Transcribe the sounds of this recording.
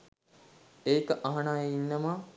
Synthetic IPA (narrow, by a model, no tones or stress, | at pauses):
eːkəʔɐɦɐnaːjeinːɐma